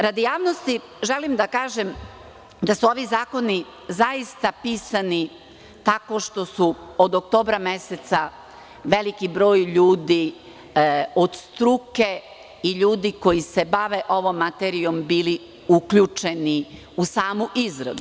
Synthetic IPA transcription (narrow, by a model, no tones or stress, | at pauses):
ɾad̪ijaːʋno̞st̪i | ʒe̞limd̪akaːʒem | d̪asuo̞ʋizaːko̞ni | zaist̪apiːsani | t̪ako̞ʃt̪o̞suod̪ok̚t̪o̞ːbɾame̞set̪sa | ʋe̞likibɾo̞ːjʎuːd̪i | o̞d̪st̪ɾuke̞ | iʎuːd̪iko̞jise̞baʋeʔo̞ʋo̞mːat̪eɾio̞mbiːli | ukʎut͡ʃe̞ni | usaːmuʔizɾad̪u